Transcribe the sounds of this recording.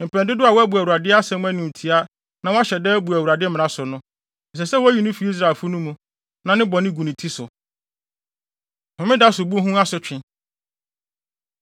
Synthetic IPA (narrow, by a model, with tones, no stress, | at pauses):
m̩˨pʰɛ̃˨ndɪ˦dʊ˦a˨wbu˨æ˨u˨ɾa˨dɪ˦a˦sɛ̃˦m˦æ̃˦nʊ̃˨m̩˨tʰi˨a˦ | nã˨wa˦ɕɛ˨dɛː˦bu˨æ˨u˨ɾa˨dɪ˦m̃˨nã˨sʊ˨nʊ̃˦˨ | s̬ɛ˨sɛ˦wɔ˦æ˦ji˦nʊ̃˦fi˨˦i˦s̬ɾa˨lfʊ˦nʊ̃˦mũ˨ | nã˨nɪ̃˦bɔ̃˨nɪ̃˦ɡu˨nĩ˨tʰi˦sʊ˨ | hʊ̃˨mɪ̃˦da˦sʊ˨bu˦ɦũ˦a˦sʊ˨˦t͡ɕᶣɪ̃˨